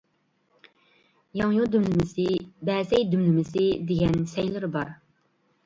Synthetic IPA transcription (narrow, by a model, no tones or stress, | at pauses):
jɑŋjud̪ymlɪmɪsɪbɛːzɛjd̪ymlɪmɪsɪd̪eɡʲɛnsɛjlɪɾɪbɑɾ